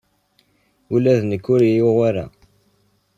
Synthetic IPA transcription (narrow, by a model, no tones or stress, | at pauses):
ulæðnəkːʊɾijoʁaɾa̰